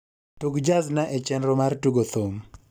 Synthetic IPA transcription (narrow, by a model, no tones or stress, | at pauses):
tuɡd͡ʒaznaʔɛt͡ʃɛnɾɔmartuɡot̪om